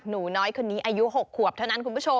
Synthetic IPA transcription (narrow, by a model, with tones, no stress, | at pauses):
nu˨˩˦nɔ˨˦jkʰəː˧niː˨˥ʔaː˧ju˧˥ɦo˨˩k̚kʰːu˨˩əp̚t̪ʰa˧wna˧˥nkʊ˨˩˦mɓːt͡ɕʰo˧